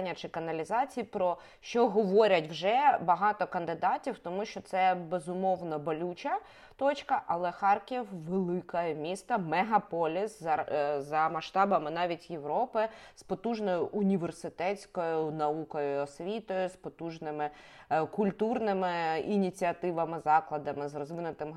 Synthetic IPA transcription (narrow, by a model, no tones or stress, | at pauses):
nʲːɐt͡ʃɪkɐnɐlʲizɑt͡sʲijipɾɔ | ʃt͡ʃɔɦɔʋɔɾʲɐtʲwʒɛbɐɦɑt̪ɔkɐnd̪ɪd̪ɑtʲiwt̪ɔmuʃt͡ʃɔt̪sɛbezʊmɔwnɐbɔlʲut͡ʃɐ | t̪ɔt͡ʃkɐʔɐlˠɛxɑrkʲiwʋelˠɪkɐjmʲist̪ɐmɛɦɐpɔlʲiszɐmɐʃt̪ɑbɐmɪnɑʋʲitʲjeʋɾɔpɪspɔt̪uʒnɔjʊʔʊnʲiʋersɪt̪ɛt͡sʲkɔjʊnɐukɔjʊɔsʲʋʲit̪ɔjʊspɔt̪uʒnɪmɪ | kʊlʲt̪urnɪmɪinʲit͡sʲiɐt̪ɪʋɐmɪzɑklˠɐd̪ɐmɪzrɔzʋɪnʊt̪ɪm